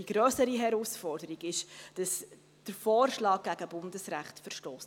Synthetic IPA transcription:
iɡ̥ɾœːsəɾiɦɛɾusfɔrdəɾiɡɪʃd̥ɑs | d̥əɾfɔːrʃlɑːk̚ɡæɡ̥əbʊndəsɾæχtfəɾʃtɔːs

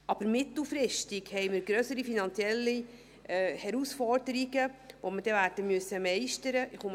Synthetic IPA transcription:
ɑb̥əɾmɪt̪l̩fɾɪʃtiɡhɛjməɾɡɾœsəɾifinɑnt͡sjɛlːi | hɛɾusfɔɾdəɾiɡəʋoməd̥ɛvæːɾdəmyəsəmɛɪʃtəɾəʔɪχum

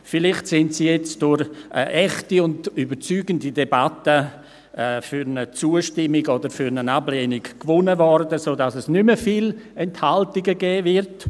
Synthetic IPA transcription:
fɪlɪχtsɪntsiːjɛt͡sd̥ʊɾʔɛχtiʊndybət͡syːɡəndidebatəː | fyɾnət͡suːəʃtɪmiɡodəɾfyɾnənableːnikkvʊnəvɔrdəsoːdasɛsnyməfiːlɛnthaltiɡəɡɛːvɪrt

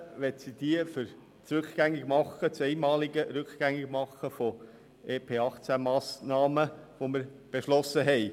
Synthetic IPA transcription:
ʋɛtsid̥̪iəfʏɾ | t͡sɾʉkχɡ̥æŋːiɡ̥mɑχːət͡sɛɪmɑːliɡəɾʉkχɡ̥æŋːɪɡ̥mɑχəfo | ʔeːpʰeːɑχt͡sæmɑːsnɑːməʋoməɾ | b̥eʃlɔsːəɦɛɪ

